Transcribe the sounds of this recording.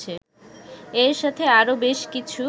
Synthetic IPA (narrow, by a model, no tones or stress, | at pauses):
e | eɾʃat̪ʰeaɾobeʃkit͡ɕʰu